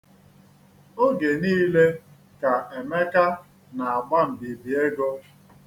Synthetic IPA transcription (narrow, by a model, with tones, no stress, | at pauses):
o˦ɡe˨niː˦le˦ | ka˨e˨me˦ka˦ | na˨a˨ɡ͡ba˦m̩˨bi˨bi˨e˦ɡɔ˦